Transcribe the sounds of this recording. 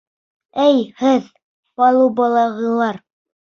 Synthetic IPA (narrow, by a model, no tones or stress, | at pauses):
ɘjhɘð | pɑlˠubɑlˠɑʁɤ̆lˠɑɾ